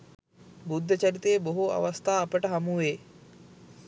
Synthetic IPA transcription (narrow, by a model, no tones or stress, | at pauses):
bud̪ʱːət͡ɕɐɾit̪eːboɦua̰ʋɐst̪ʰaːpəʈɐɦɐmuʋe